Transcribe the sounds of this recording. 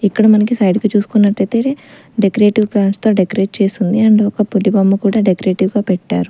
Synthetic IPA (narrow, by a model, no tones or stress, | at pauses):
ikːɐɽɐmɐnɐkisɐjɖkit͡ʃuːsu̥kunːɐʈːɐjt̪eːe | ɖekɾe̞ːʈiʋplaːnst̪o̞ːɖekɾe̞ːʈ̚t͡ʃe̞ːst̪und̪iɐɳɖeɔkɐpulibɐmːɐkuːɽaːɖekɾe̞ːʈiʋɡaːpɛʈːaːɾu